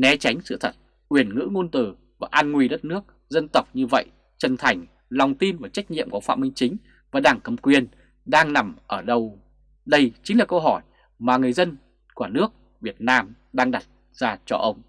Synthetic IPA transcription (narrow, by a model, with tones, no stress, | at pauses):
nɛ˨˦t͡ɕa˨˦jŋ̟sɨ̰˧˨t̪ʰə˨˩t̚ | ʔwi˧˩ənŋɨ̰˧˥ŋo˧nt̪ɨ˧˩ | vaː˨˩ʔaː˧nŋwi˧ɗə˦˥t̚nɨ˦˥ək̚ | zə˧nt̪ə˨˩wk͡p̚ɲɨ˧və̰˧˨j | t͡ɕə˨˩nt̪ʰa˨˩jŋ̟ | lɔ˨˩wŋ͡mt̪i˧mvaː˨˩t͡ɕa˦˥k̚ɲḭ˧˨əmkɔ˨˦fa̰˧˨mï˧ŋ̟t͡ɕï˨˦ŋ̟ | vaː˨˩ɗaː˨˩ŋkə˧˩mkwi˨˩ən | ɗaː˧ŋna˨˩mʔəː˧˩ɗə˧w | ɗə˧jt͡ɕï˨˦ŋ̟laː˨˩kə˧wɦɔ˧˩j | maː˨˩ŋɨ˨˩əjzə˧n | ku˧˩nɨ˦˥ək̚ | vi˨˩ət̚naː˧m | ɗaː˧ŋɗa˨˩t̚ | z̥aː˧t͡ɕɔ̰˧ʔə˧wŋ͡m